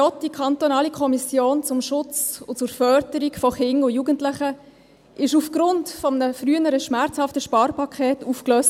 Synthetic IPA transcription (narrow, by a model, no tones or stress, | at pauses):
ɔtd̥ikʰɑntonɑːlikʰɔmisjoːnt͡sʊmʃʊt͡sʊt͡sʊɾfœɾdəɾikfɔχɪnʊjuːɡəntlɪχə | ʔɪʃufɡ̥ɾʊntfɔmənəfryənəɾəʃmæɾt͡shɑftəʃpɑːɾpɑkʰχɛːtuːfkløːst